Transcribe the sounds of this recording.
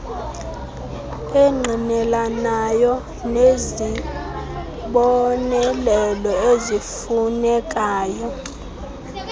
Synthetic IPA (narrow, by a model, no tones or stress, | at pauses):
eŋ͡ǃʱinɛlanajɔ | nezi | ɓɔnɛlɛlɔezifunɛkʼaːjɔ